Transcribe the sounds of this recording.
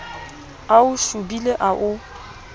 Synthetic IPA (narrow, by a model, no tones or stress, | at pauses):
aʊʃubileʔaʔʊ